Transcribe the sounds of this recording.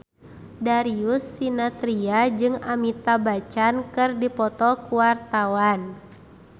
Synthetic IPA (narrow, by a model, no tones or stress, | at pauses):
daɾiusːinat̪ɾiad͡ʒɨŋamit̪abat͡ʃankɨrdipɔt̪ɔkuwart̪awan